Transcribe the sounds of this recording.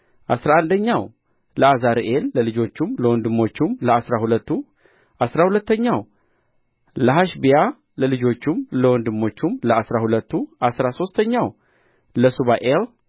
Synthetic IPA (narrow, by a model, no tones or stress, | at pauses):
ʔasɾaand̪əɲːaw | ləazaɾʔelːəlɨd͡ʒo̞t͡ʃːumləwɔnd̪ɨmːo̞t͡ʃːumləasɾahulət̪ːu | ʔasɾahulət̪ːəɲːaw | ləɦaʃbija | ləlɨd͡ʒo̞t͡ʃːumləwɔnd̪ɨmːo̞t͡ʃːumləasɾahulət̪ːuʔasɾaso̞st̪ʰəɲːaw | ləsuβaʔel